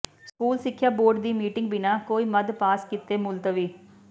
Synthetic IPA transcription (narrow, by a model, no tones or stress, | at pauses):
skuːlsɪkʰːjaːboːɾɖd̪iːmiːʈɪŋɡbɪnaːkoːiːməd̪paːskɪt̪eːmʊlt̪ʋiː